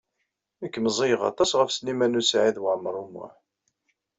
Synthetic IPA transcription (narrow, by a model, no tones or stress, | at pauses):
əkːməzˤijʁɑ̰t̪ˤɑsʁəfslimænusʕiðwəʕməɾˤumːʊ̰ħ